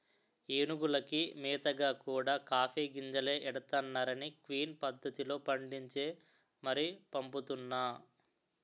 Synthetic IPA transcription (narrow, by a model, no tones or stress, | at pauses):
eːnuɡulɐkimɛːt̪ɐɡaːkuːɽaːkaːpʰeːɡiɲd͡ʒɐle̞ːʔɛɽɐt̪aːnːaːɾɐnikʋiːnpɐd̪ːɐt̪ilo̞ːpɐɳɖiɲt͡ʃe̞ː | mɐɾipɐmput̪unːaː